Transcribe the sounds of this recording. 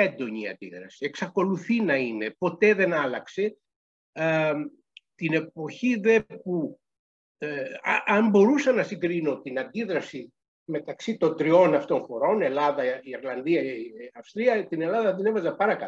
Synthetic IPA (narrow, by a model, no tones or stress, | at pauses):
end̪o̞ɲiɐ̰nd̪iðɾɐ̰sie̞ksɐko̞luθinɐine̞po̞t̪e̞ðe̞nɐlɐkse̞ | t̪ine̞po̞çiðe̞pu | ʔɐmbo̞ɾusɐnɐsiŋɡɾino̞t̪inɐnd̪iðɾɐsi | me̞t̪ɐksit̪o̞nd̪ɾio̞nɐft̪o̞ŋxo̞ɾo̞ne̞lɐðɐiiɾlɐnðiɐɐfst̪ɾiɐt̪ine̞lɐðɐðene̞vɐzɐpɐɾɐkɐ